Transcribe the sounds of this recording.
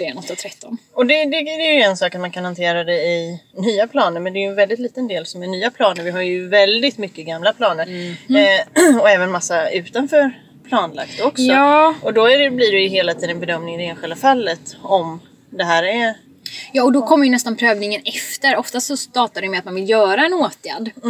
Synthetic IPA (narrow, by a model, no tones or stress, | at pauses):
d̪ɛnɔt̪ːat̪ʰɾɛt̪ːɔnɔd̪ɛd̪ɛd̪ɛjɵɛnsɑːkat̪mankʰanhant̪ʰeːɾad̪ɛɪnyːapʰlɑːnəɾmɛnd̪ɛjɵɛnvɛld̪ɪt̪liːt̪ənd̪eːlsɔmæɳyːapʰlɑːnəɾvɪɦaɾjɵvɛld̪ɪt̪mʏkːəɡamlapʰlɑːnəɾ | ɔɛːvənmasːaʉ̟ːt̪anfœːɾ | pʰlɑːnla̰k̚t̪d̪oɔksɔːɔd̪ɔæɾblɪɖɛjɵɦeːlat̪ʰiːd̪ənbɛd̪œmnɪŋd̪ɛeːnɧɪld̪afalːət̪ɔm | d̪ɛɦæːɾɛ | jɑːɔd̪ɔkʰɔmːəɾjɵnɛst̪anpʰɾøːvnɪŋənɛft̪əɾɔft̪ast̪sɔst̪ɑːt̪adɛjmɛat̪̚manvɪljœːɾaɛnoːt̪ʰjæ̰d̪